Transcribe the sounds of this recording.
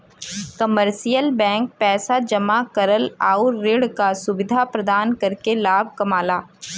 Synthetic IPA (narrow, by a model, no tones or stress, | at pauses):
kɐməɾsijəlbɛ̃ːŋk̚pɛːsad͡ʒɐmakɐɾəlaːʊːɪɽkasʊʋɪd̪ʱapɾɐd̪aːnkɐɾkelaːb̚ʱkɐmaːlaː